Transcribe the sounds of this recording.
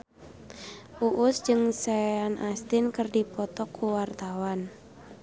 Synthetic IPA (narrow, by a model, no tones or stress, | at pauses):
ʔuʔʊsd͡ʒɨŋseanʔast̪ɪnkərdipɔt̪ɔkʰːuwart̪awan